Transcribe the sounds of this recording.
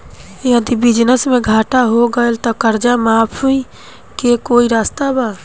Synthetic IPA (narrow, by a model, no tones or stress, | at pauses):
jəd̪ibɪd͡ʒnəsmẽɡʱaːʈaɦoɡəelt̪ɔkəɾd͡ʒamaːpʰui | kekoːiɾaːst̪abaː